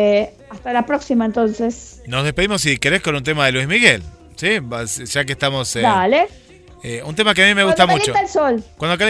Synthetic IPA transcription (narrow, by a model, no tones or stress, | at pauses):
ast̪alapɾoksimaent̪onsesno̞zðe̞speimo̞sːike̞ɾeskonũnt̪̬emaðelwizmiɣel | sibasʒ̥ak̬est̪amo̞sed̪ale | eunt̪̬emak̬eamimeɣut̪amuit͡ʃot̪alsolkwand̪o̞ka